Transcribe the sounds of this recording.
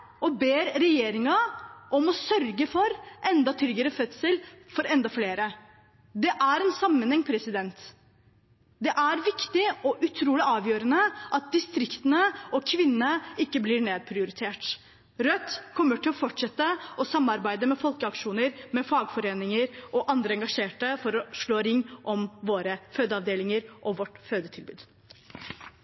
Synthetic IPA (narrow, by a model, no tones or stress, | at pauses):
ʔɔbeːɾɾɛjeːɾɪŋɑʔɔmɔsœɾɡəfɔɾʔɛnd̪ɑt̪ʰɾʏɡəɾəfœt̪səlfɔɾɛnd̪ɑfleːɾə | d̪ɛʔæɾɛnsɑmːənhɛŋːpʰɾɛsɪd̪ɛnt̪ | d̪ɛʔæɾʋɪkt̪ɪɔʔʉt̪ʰɾuːlɪʔɑːʋjøːɾənəʔɑt̪̚d̪ɪst̪ɾɪkt̪ənəɔkʰʋɪnːnəɪkːəblɪɾɳeːd̪̚pʰɾɪʊɾɪt̪ʰeːʈ | ɾœt̪ːkʰɔmːəʈɪlɔfɔʈʂɛt̪ːəɔsɑmːɑɾbæɪd̪əmɛfɔlkəɑkʂuːnəɾmɛfɑːɡfɔɾeːnɪŋəɾʔɔʔɑnd̪ɾəɛŋɡɑʂeːʈəfɔɾɔʂɭoːɾɪŋːʔɔmʋoːɾəføːd̪əɑʋd̪eːlɪŋəɾʔɔʋɔʈføːd̪ət̪ʰɪlbʉ̰ːd̪̥